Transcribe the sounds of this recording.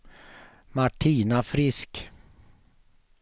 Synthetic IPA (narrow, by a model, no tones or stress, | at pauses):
maʈʰiːnafɾɪsk